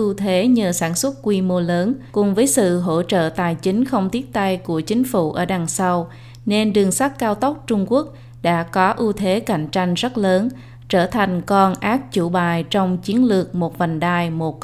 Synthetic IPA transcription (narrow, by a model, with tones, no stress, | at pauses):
ʔu˧t̪ʰe˨˦ɲəː˨˩saː˧˩nswə˦˥t̚kwi˧mo˧ləː˨˦nkʊ˨˩ŋ͡mvəː˨˦jsɨ̰˧˨ɦo̰˧˥t͡ɕə̰ː˧˨t̪aː˨˩jt͡ɕï˨˦ŋ̟xə˧wŋ͡mt̪i˦˥ət̚t̪a˧jku˧˩ət͡ɕï˨˦ŋ̟fṵ˧˩ʔəː˧˩ɗaː˨˩ŋsa˧w | ne˧nɗɨ˨˩əŋsa˦˥t̚kaː˧wt̪ə˦˥wk͡p̚t͡ɕʊ˧ŋ͡mku˦˥ək̚ | ɗa̰ː˧˥kɔ˨˦ʔu˧t̪ʰe˨˦ka̰˧˩jŋ̟t͡ɕa˧jŋ̟zə˦˥t̚ləː˨˦n | t͡ɕəː˧˩t̪ʰa˨˩jŋ̟kɔ˧nʔaː˦˥k̚t͡ɕu˧˩ɓaː˨˩jt͡ɕɔ˧wŋ͡mt͡ɕi˨˦ənlɨ˨˩ək̚mo˨˩t̚va˨˩ŋɗaː˨˩jmo˨˩t̚